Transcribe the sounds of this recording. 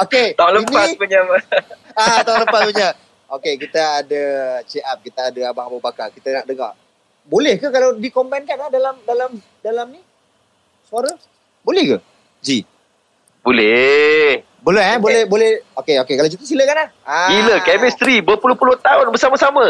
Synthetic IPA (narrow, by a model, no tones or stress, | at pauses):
oket̪aonlənpas̚puɲaməat̪aʊnləmpat̪̚uɲa | ʔokekit̪əadət͡ʃeʔap̚kit̪aadəabaŋabəbakakit̪ənaʔdəŋa̰ | bolɛhkəkalawdikombankanlahdalamdalam | dalamni | suaɾə | bolɛhɡə | d͡ʒi | bolɛ | bələabolɛhbolɛhokeokekalat͡ʃuk̪uʔ̚siləkanlahasiləkɛmist̪ɾibəpulʊhpulʊht̪aʊnbəsaməsamə